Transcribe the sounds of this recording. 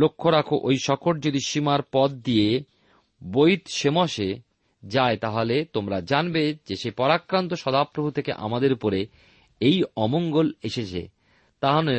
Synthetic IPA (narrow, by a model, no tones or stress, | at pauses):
lokʰːoɾakʰoʔojʃɔkʰoʈ̚d͡ʑod̪iʃimaɾpɔd̪̚d̪ije | bojt̪ʃemoʃe | d͡ʑaet̪aɦolet̪omɾad͡ʑanbed͡ʑeʃepɔɾakɾant̪oʃɔd̪ʱapɾobʱut̪ʰekḛʔa̰mad̪eɾupoɾe | ejɔmoŋɡoleʃet͡ɕʰḛ | t̪aɦole